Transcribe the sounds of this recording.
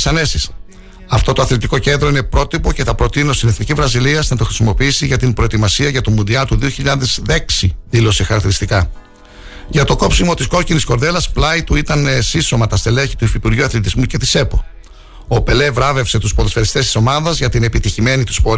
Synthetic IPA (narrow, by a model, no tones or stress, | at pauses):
sɐne̞sis | ɐft̪o̞t̪oɐθlet̪iko̞ce̞nd̪ɾo̞ine̞pɾo̞t̪ipo̞ce̞t̪ɐpɾo̞t̪ino̞st̪ine̞θnicizvɾɐziliɐsnɐt̪o̞xɾi̥simo̞piisiʝɐt̪imbɾo̞et̪imɐsiɐʝɐt̪omund̪iɐt̪uðio̞çiʎɐðezðe̞ksiðilo̞sexɐɾɐk̚t̪iɾist̪ikɐ | ʝɐt̪o̞ko̞psimo̞t̪isko̞cinisko̞ɾðe̞lɐsplɐjt̪uit̪ɐnesiso̞mɐt̪ɐst̪e̞leçi̥t̪uifipuɾʝuɐθlet̪izmuce̞t̪ise̞po̞ | ope̞le̞vɾɐve̞fse̞t̪uspoðefeɾist̪e̞st̪i̥so̞mɐðɐzʝɐt̪ine̞pit̪içime̞nit̪u̥spo̞ɾ